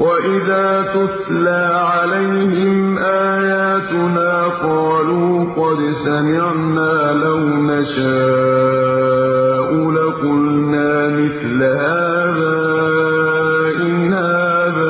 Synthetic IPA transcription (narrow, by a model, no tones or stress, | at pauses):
waʔɪðaːt̪ʊθlaːʕalajhɪmʔaːjaːt̪ʊnaːqɑːluːqɑd̪samɪʕnaːlawnaʃaː | ʔuːlaqʊlnaːmɪθlhaː | ðaː | ʔɪnhaːðaː